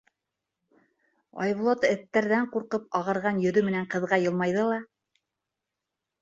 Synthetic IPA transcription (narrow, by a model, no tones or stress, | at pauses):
ɑ̰jβŭlˠot̪ɘ̆θt̪ːæɾðæɴquɾqɤp̚ɑʁɤ̆ɾʁɑnjɵ̆ðɵmɘ̆næɴqɤ̆ðʁɑjɤ̆lˠmɑjðɤlˠɑ